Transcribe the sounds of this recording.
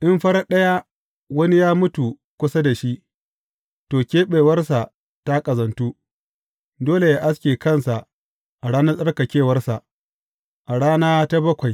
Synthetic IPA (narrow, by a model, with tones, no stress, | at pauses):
ʔɪ˦mɸɐ˦ɾa˦ɗɐ˦ja˦ | wɐ˦ni˦jaː˦mʊ˦tu˨ | kʷʊ˦sa˦da˨ʃi˦ | toː˨kʲeː˦ɓeː˨wɐ˦rsa˨ | ta˦kʼɐ˨zɐ˨ntuː˦ | doː˦le˨jaː˦ʔa˦s̬kʲeː˨kɐ˦˨nsa˨ | ʔa˨ɽaː˦nɐ˦sʼɐ˦rka˨kʲeː˦˨wɐ˦rsa˨ʔ | ʔa˨ɽaː˦naː˦ta˦bɐ˦kʷa˨j